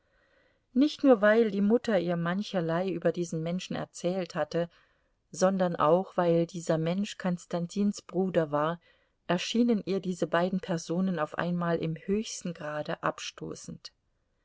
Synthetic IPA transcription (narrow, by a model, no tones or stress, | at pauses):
nɪçtnuːɐvaɪldiːmʊtɐʔiːɐmançɐlaɪʔyːbɐdiːzn̩mɛnʃn̩ɛ̰ɐt͡sɛːlthatə | zɔndɐnʔa̰ʊxv̥aɪldiːzɐmɛnʃkʰɔnstantʰiːnsb̥ʁuːdɐvaːɐ | ʔɛɐʃiːnənʔiːɐdiːzəbaɪdn̩pʰɛɐzoːnənaʊfʔa̰ɪnmaːlʔɪ̰mhøːçstn̩ɡʁaːdəʔa̰pʃto̰ːsn̩t